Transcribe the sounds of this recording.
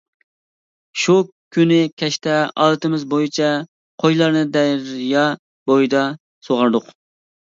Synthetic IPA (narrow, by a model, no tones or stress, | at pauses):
ʃu | kʲʰːynɪkʲʰɛʃt̪ɛɑ̰lˠɨt̪ɨmɪzbojit͡ʃʰɛ | qʰojlˠɑɾnɨd̪ɛjɾjɑ | bojd̪ɑ | soʁɑɾd̪ʊq